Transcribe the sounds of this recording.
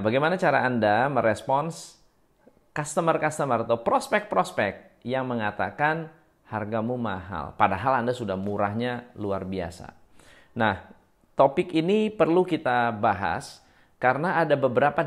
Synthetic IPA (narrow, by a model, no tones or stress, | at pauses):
baɡajmanat͡ʃaɾa̰ːndaməɾɛspɔns | kast̪əmərkast̪əmərat̪awpɾɔspɛk̚pɾɔspɛk̚t̪̚jaŋməŋat̪a̰kan | harɡamumaɦa̰lpadaɦalandasudahmuɾaɦɲaluarbia̰sa̰ | nah | t̪opɪkinipərlukit̪abaɦa̰s | kaɾənaʔːdabəbəɾapa